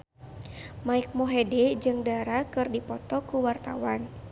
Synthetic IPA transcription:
maik̚moɦedɛd͡ʒɨŋdaɾakɨrdipɔt̪ɔkuwart̪awan

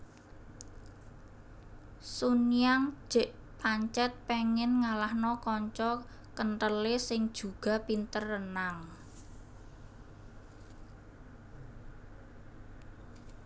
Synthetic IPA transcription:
suniaŋʒ̥ɛ̤ʔ | paɲt͡ʃɛt̪̚pɛŋɪnŋalahnɔkɔɲt͡ʃɔ | kənʈəlesɪŋd̥ʒ̥ṳɡ̥a̤pint̪ərənaŋ

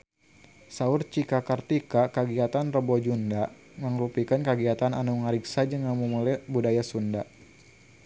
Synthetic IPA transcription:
saʊrt͡ʃikakart̪ikakəɡiat̪anrəbɔd͡ʒunda | ŋəŋɾupikankəɡiat̪ananuŋaɾiksad͡ʒəŋamumulbudajasunda

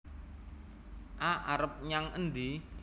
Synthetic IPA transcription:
ʔaʔaɾəp̚ɲaŋənd̪i

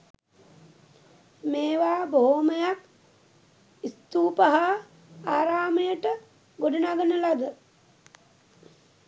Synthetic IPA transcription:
meːʋaːboɦoməjak | ist̪uːpəɦa | aːɾaːməjəʈə | ɡoɖənaɡənəlad̪ə

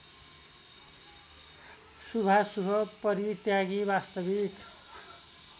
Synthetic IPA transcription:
subʱasubʱʌpʌɾiʈjaɡibast̪ʌbik

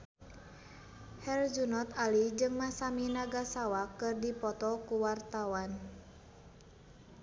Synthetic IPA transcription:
hɛrd͡ʒunɔt̪alid͡ʒɨŋmasaminaɡasawakɨrdipɔt̪ɔkuwart̪awan

